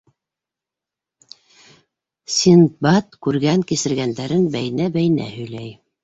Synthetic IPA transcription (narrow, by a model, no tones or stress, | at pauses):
sʲinbɑt̪kʉɾɡæŋkisɘ̆ɾɡænd̪æɾɘnbæjnæbæjnæ̰hɵ̆jlæj